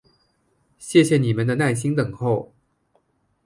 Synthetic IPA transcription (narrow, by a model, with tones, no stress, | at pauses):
ɕjɛ˥˩ɕjɛ˨˩ni˨˩mə˧˦nd̪ə˧na˥˩ɪɕi˥ŋt̪ə˨˩ŋxo˥˩ʊ